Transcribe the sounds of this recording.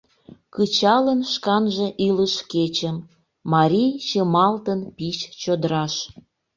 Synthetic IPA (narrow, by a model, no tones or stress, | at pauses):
kɯt͡ɕɑlənʃkɑnʒe̽ʔiləʃket͡ɕəmː | ɑɾʲijt͡ɕəmɑlt̪ənpiʃt͡ɕod̪əɾɑʃ